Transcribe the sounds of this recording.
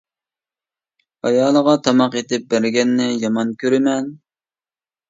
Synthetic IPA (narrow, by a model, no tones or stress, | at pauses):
ɑjɑːlˠəʁɑt̪ʰɑmɑqet̪ɪp̚bæɾɡʲɛnːɪjɑmɑnkʲøɾɪmɛn